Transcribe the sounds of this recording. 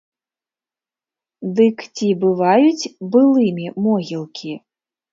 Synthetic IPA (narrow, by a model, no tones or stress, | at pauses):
d̪ɨkt͡sʲibɨvajut͡sʲbɨlˠɨmʲimɔɣʲilˠkʲʰi